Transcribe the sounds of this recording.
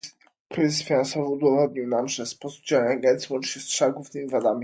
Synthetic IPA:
kɾɘzsfʲinansɔvɨud̪ɔvɔd̪ɲiwnamʐɛspɔsu̥d͡ʑawaɲaɡɛnt̪siwɔnt͡ʂɲɛstʂaɡuvnɘmʲivad̪amʲi

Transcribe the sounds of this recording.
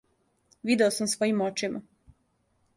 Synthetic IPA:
ʋid̪eosamsʋo̞jimot͡ʃima̰

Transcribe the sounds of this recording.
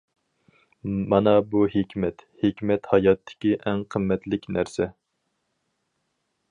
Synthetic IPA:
mɑnɑbuhekʲmɛt̪hekʲmɛt̪hɑjɑt̪ʰːɪ̥kʲiʔɛŋqʰəmːɛt̪lɪkʲnæɾsɛ

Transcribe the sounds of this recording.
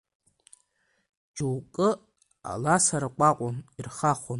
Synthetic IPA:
d͡ʒuwkʼɨ | a̰lasaɾakʷʼaqʷʼʊnirχaχon

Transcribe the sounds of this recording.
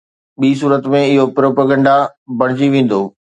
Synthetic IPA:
ɓiːs̬uːɾət̪mẽɪɦopɾoːpaɡə̃ɳɖabɐɽ̃ɪd͡ʑiʋẽːn̆d̪oː

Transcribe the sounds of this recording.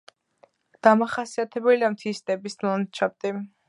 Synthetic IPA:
d̪̥amaχasiat̪ʰɛbɛliamt̪ʰist̪ʼɛbislant͡ʃʰap̚t̪ʼi

